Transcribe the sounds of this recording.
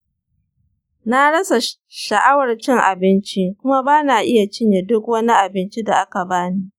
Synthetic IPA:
na˦ɽɐ˦sa˨ | ʃɐ˨ʔa˦wɐ˨rt͡ʃɪ˦ŋʔa̰˨bɪ˦nt͡ʃi˦kʷʊ˦ma˦baː˦naː˨ʔɪ˦ja˨t͡ʃɪ˦ɲje˨dʊ˦kwɐ˦ni˦ʔa˨bɪ˦nt͡ʃi˦da˨ʔa˦ka˨baː˦ni˦ʔ

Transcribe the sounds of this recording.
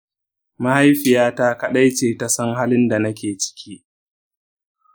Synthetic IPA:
ma˦ha˦jɸɪ˨jaː˦ta˦ka˦ɗa˦jt͡ʃeː˨ta˨˦sɐ˦ŋɦa˦lɪ˦nda˨nɐ˦kʲeː˨t͡ʃɪ̥˦kʲʰiː˦ʔ

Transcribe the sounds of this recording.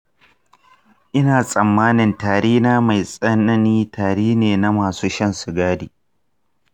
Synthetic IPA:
ʔɪ˦naː˨sʼɐ˨mːaː˦nɪ˨ntaː˨ɽeː˦naː˦ma˨jsʼɐ˦nɐ˦niː˦tʰaː˨ɽeː˦neː˨na˦maː˨suː˦ʃɐ˦nsʊ˨ɡaː˦diː˨

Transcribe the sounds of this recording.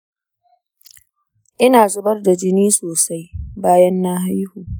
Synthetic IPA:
ʔɪ˦naː˨zʊ˦bɐ˦rda˨d͡ʒɪ˦niː˦soː˨sa˦jbaː˦jɐ˦nːa˦ɦa˦jhuː˨

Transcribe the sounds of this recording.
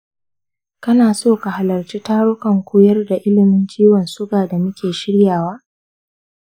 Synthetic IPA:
kɐ˦naː˨soː˦˨ka˨ha˨lɐ˨rt͡ʃiː˦taː˦ɽʊ˦kɐ˨ŋkʷuː˦jɐ˦rda˨ʔɪ˦lɪ˨mɪ˦nt͡ʃʲiː˦wɐ˨nsʊ˦ɡaː˨da˨mʊ˦kʲeː˨ʃɪ˦ɽjaː˨waː˦

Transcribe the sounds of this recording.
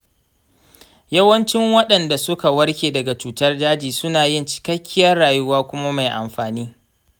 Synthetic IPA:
jɐ˦wɐ˦nt͡ʃɪ˦ŋwɐ˦ɗɐ˨nda˨sʊ˦ka˨wɐ˦rkʲeː˨dɐ˨ɡa˨t͡ʃuː˨tɐ˦rdaː˦d͡ʒiː˨sʊ˦naː˨jɪ˦˨nt͡ʃɪ̥˨kɐ˦kʲːɪ˦jɐ˦rːaː˨jʊ˦waː˦kʷʊ˦ma˦ma˨jʔa̰˨mɸaː˨niː˦

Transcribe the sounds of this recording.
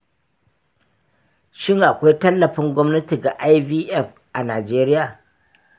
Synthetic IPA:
ʃɪ˦ŋʔa˨kʷa˦jtɐ˦lːɐ˨ɸɪ˦ŋɡʷɔ˦mnɐ˦ti˨ɡa˨ʔa˦jviː˦ʔɛ˦˨ɸ | ʔa˨naː˨d͡ʒeː˦ɾɪ˦jaː˨

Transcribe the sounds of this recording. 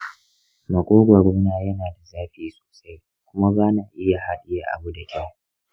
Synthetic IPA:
mɐ˨kʷʼoː˦ɡʷa˨ɡʷɔ˦m˦naː˦˨jɐ˦naː˨da˨zaː˦ɸiː˦so̥ː˨sa˦j | kʷʊ˦ma˦baː˦naː˨ʔɪ˦ja˨ha˦ɗɪ˦jaː˨ʔa̰˨bu˦da˨kʲa˦w

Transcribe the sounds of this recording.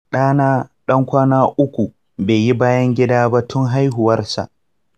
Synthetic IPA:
ɗaː˦naː˦ɗɐ˦ŋkʷaː˦naː˦ʔʊ˦kʷu˨ | beː˨ji˦baː˦jɐ˦ŋɡʲɪ˦daː˦ba˦tʰʊ˦ŋɦa˦jɦʊ˨wɐ˦rsa̰˨ʔ

